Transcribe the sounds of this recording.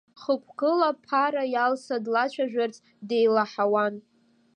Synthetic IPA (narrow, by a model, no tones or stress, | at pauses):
χəkʷʰkɨlapʰaɾajalsadlat͡ʃʷʰaʒᶣart͡sʼ | de̞jlaħawan